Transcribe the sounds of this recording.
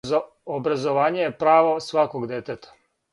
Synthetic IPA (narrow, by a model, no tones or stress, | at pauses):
obɾazoʋaːɲejepɾaːʋo̞sʋakoɡd̪jet̪et̪ʰḁ